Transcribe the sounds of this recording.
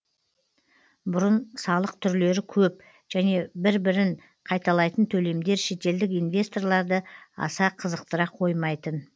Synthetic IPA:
bʊɾənsɑlˠəqt̪ʰʏɾle̞ɾɪkʲʰɵp̚ | ʒ̥æne̞bɪɾbɪɾɪŋ | qʰɑjt̪ɑlˠɑjt̪ənt̪ʰɵle̞md̪e̞ɾʃe̞t̪e̞ld̪ɪkinvʲe̞st̪o̞rlˠɑɾd̪əɑ̰sɑqʰəzəq̚t̪əɾɑqʰːo̞jmɑjt̪ən

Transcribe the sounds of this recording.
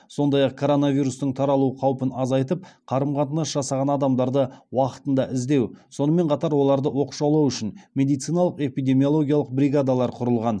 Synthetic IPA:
so̞nd̪ɑjɑq̚kʰo̞ɾo̞navijɾust̪əɴt̪ʰɑɾɑlˠuəqʰɑwpənɑzɑjt̪əp̚qʰɑɾəmqɑt̪ənəsʒɑsɑʁɑnɑd̪ɑmd̪ɑɾd̪əwɑqə̥t̪ənd̪ɑʔɪzd̪e̞wso̞nəme̞ɴqʰɑt̪ɑɾwo̞lˠɑɾd̪əwo̞qʃɑwlˠɑwʏʃɪnme̞d̪ijt̪sɨjnɑlˠəqe̞pijd̪e̞mijo̞lˠo̞ɡʲijɑlˠəq̚bɾiɡad̪alˠɑɾqʰʊɾəlˠʁɑn

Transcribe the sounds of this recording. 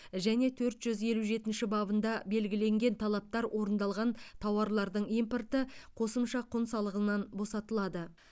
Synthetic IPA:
ʒæne̞t̪ʰɵɾt̪ʒ̥ʏzje̞luʒe̞t̪ɪnʃɪbɑbənd̪ɑbe̞lɡʲɪle̞ŋɡʲe̞nt̪ʰɑlˠɑp̚t̪ɑɾwʔo̞ɾənd̪ɑlˠʁɑnt̪ʰɑwɑɾlˠɑɾd̪əɴijmport̪əqʰo̞səmʃɑqʰʊnsɑlˠəʁənɑnbo̞sɑt̪əlˠɑd̪ə

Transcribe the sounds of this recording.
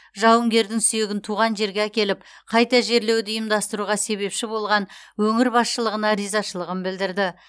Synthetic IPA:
ʒɑwəŋɡʲe̞ɾd̪ɪŋsyje̞ɡʲɪnt̪ʰuʁɑnʒe̞ɾɡʲeækʲe̞lɪp̚ | qʰɑjt̪ɑʒe̞ɾle̞wd̪ɪjəmd̪ɑst̪əɾuʁɑse̞βe̞pʃɪbo̞lˠʁɑnwɵŋɪɾbɑsʃəlˠəʁənɑɾijzɑʃəlˠəʁənbɪld̪ɪɾd̪ɪ

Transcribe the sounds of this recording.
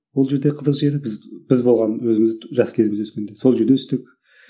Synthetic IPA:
wo̞lˠʒe̞ɾd̪eqʰəzəqʒe̞ɾbɪzb̥ɪzbo̞lˠʁɑnwɵzɪmɪzʒɑskʲʰe̞zɪmɪzwɵskʲend̪e̞so̞lˠʒe̞ɾd̪e̞t̪ʰʏst̪ɪk̚ʲ

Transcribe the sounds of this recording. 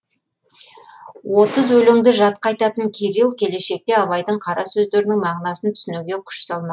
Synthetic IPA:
wʔo̞t̪əzwɵlɪŋd̪ɪʒɑt̪̚qɑjt̪ɑt̪əŋkʲʰeɾilˠkʲʰe̞le̞ʃe̞k̚t̪e̞ɑβɑjd̪əɴqʰɑɾɑ̰sɵzd̪e̞ɾɪnɪŋmɑʁnɑsənt̪ʰʏ̥sɪnuɡʲe̞kʲʰʏ̥ʃsɑlˠmɑ

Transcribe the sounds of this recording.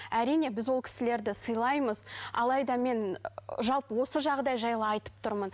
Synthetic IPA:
æɾijne̞bɪzwo̞lˠkʲʰɪ̥sɪle̞ɾd̪ɪsəjlˠɑjməzɑ̰lˠɑjd̪ɑme̞nʒɑlˠpəwo̞səʒɑʁd̪ɑjʒɑjlˠəɑjt̪ə̥p̚t̪ʰʊɾmən

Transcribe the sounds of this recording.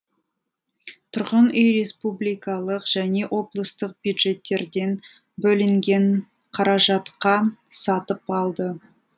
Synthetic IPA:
t̪ʰʊɾʁənejɾe̞spublijkɑlˠəqʒ̥æne̞ʔwʔo̞blˠəst̪əq̚bjud̪ʒe̞t̪ːe̞ɾd̪e̞n | bɵlɪŋɡʲe̞ɴ | qʰɑɾɑʒɑt̪qɑsɑt̪əpɑlˠd̪ə

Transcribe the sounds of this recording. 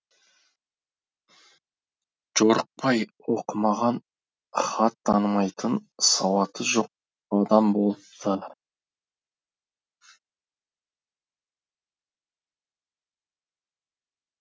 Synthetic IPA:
ʒ̥o̞ɾəq̚pʰɑjwoqəmɑʁɑn | χɑt̪ːɑnəmɑjt̪ʰənsɑwɑt̪ʰəʒo̞q̚ | ɑd̪ɑmbolˠəpt̪ʰə

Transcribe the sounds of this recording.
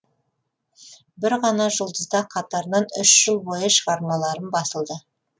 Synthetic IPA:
bɪɾʁɑnɑʒəlˠd̪əzd̪ɑqʰɑt̪ɑɾnɑnʏʃʒ̥əlˠbo̞jəʃəʁɑɾmɑlˠɑɾənbɑsəlˠd̪ə

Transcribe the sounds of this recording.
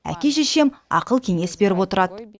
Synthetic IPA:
æ̰kʲe̞ʃeʃe̞mɑ̰qəlˠkʲʰe̞ŋe̞sbe̞ɾɪpwo̞t̪əɾɑd̪ə

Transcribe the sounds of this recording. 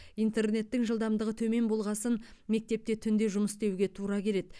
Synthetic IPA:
ijnt̪e̞rne̞t̪ːɪŋʒəlˠd̪ɑmd̪əʁət̪ʰɵme̞nbo̞lˠʁɑsənme̞k̚t̪e̞p̚t̪et̪ʰʏnd̪e̞ʒʊməst̪e̞wɡʲe̞t̪ʰuɾɑkʲʰe̞ɾe̞d̪

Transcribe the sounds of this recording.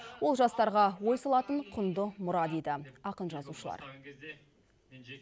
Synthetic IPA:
wo̞lˠʒɑst̪ɑɾʁɑwo̞jsɑlˠɑt̪əɴqʰʊnd̪əmʊɾɑd̪ed̪ɪɑqənʒɑzuʃəlˠɑ̰ɾ

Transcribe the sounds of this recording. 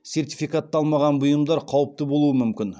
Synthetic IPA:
se̞rt̪ifijkat̪ːɑlˠmɑʁɑnbʊjəmd̪ɑɾqʰɑwəp̚t̪əbolˠuəmʏmkʲɪn

